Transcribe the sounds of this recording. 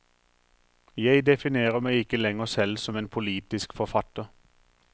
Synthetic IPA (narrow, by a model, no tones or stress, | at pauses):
jæɪd̪ɛfɪneːʁəmæɪɪkəlɛŋəʁsɛlsɔmeːnpʰʊliːt̪ɪskfɔfɑt̪əʁ